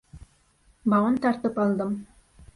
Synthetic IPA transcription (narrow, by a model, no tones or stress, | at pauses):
bɑʁɤnt̪ɑɾt̪ɯpɑlˠd̪ɤm